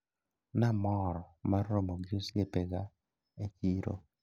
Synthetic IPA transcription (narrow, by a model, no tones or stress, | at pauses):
namɔɾɔmarːomoɡd͡ʒosjepeɡa | et͡ʃiɾo̰